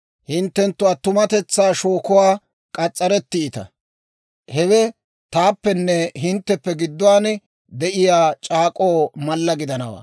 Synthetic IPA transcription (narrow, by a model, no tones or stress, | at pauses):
hɪnt̪ːɛnt̪ːʊɐt̪ʊmɐt̪ɛt͡sːaːʃoːkɔwaː | kʼɐt͡sʼːɐɾɛt̪ːɪːt̪ɐ̰ | hɛwɛ | t̪aːpːɛnːɛɦɪnt̪ːɛpːɛɡɪd̪ːʊwaːnɛ | d̪ɛʔɪjaːt͡ʃʼaːkʼoːmɐlːɐɡɪd̪ɐnɐwa̰ː